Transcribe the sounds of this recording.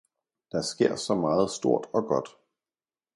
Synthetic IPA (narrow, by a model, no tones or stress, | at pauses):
d̥ɑ̈sɡ̥e̝ɐ̰sɒ̽mɑ̈ːð̞̩ˠsd̥o̝ɐ̰d̥ɒ̽ɡ̥ɒ̽d̥